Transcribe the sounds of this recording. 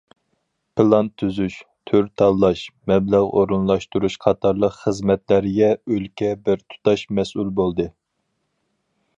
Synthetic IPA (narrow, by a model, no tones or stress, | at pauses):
pʰɨlˠɑnt̪ʰːyzyʃt̪ʰyɾt̪ʰɑlˠːɑʃmɛblæʁoɾɨnlˠɑʃt̪uɾuʃqʰɑt̪ʰɑɾlˠəqχəzmɛt̪læɾɪɡʲɛølkʲʰɛbɪɾt̪ʰu̥t̪ʰɑʃmɛsulbolˠd̪ɨ